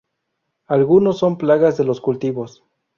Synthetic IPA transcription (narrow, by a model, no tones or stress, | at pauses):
alɣunosːo̞mplaɣazðe̞loskult̪iβos